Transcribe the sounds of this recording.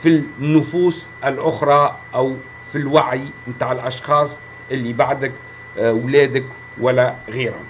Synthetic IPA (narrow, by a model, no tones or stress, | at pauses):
finːʊfuːs | ʔɪlʔʊxɾˤɑ | ʔaw | filwaʕjmt̪aːʕɪlʔɑʃxɑːsˤ | ʔɪlːibaʕd̪ak | wlɛːd̪ɪk | walːæɣiːɾa̰